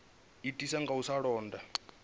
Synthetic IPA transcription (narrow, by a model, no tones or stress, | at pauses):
itʼisaŋɡausaɺɔːnda